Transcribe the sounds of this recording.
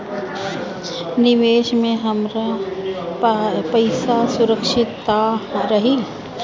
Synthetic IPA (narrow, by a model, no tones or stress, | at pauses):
nɪʋeːʃmẽɦɐmɾa | pɐɪsasʊɾəkʃɪt̪ːaɾɐɦi